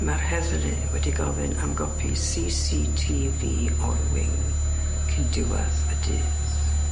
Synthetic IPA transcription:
marhɛðlɪ | wɛdiɡɔvɪnamɡɔpʰisiːsiːtʰiːviː | ɔlwɪŋ | kʰəndɪwa̰ðədɨː | θ

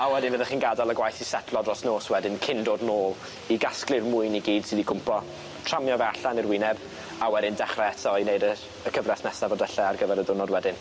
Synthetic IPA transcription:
awɛdɪnvəðɛχiːnɡadalˠəɡwajθisɛtʰlˠɔdrɔsnoːswɛdɪnkʰɪndoːdnoːlˠ | iɡasklˠɨvmʊɨniɡiːd̥sɨːðiɡʊmpʰɔ | tʰr̥amjɔvɛaɬanirwɪnɛb | awɛdɪndɛχrɛɛtʰɔinejdə | əkʰəvrɛsnɛsavɔdɛɬɛarɡəvɛɾəðʊnɔdwɛdɪn

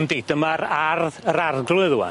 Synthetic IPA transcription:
mdedəmaɾarðəɾarɡlʊðuwa̰

